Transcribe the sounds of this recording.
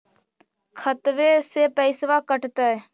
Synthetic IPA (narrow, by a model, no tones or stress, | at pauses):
kʰət̪ʋeːseːpəɪsʋaːkəʈt̪ə